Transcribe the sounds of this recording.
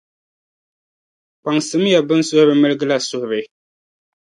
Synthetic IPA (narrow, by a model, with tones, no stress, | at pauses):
k͡pa˨ŋsɨ˨˦m˦ja˨bɨ˦n˦sʊ˦hʊ˦bɨ˦mɨ˦lɨ˦ɡɨ˦la˦sʊ˦˨hʊ˨bɨ˨˦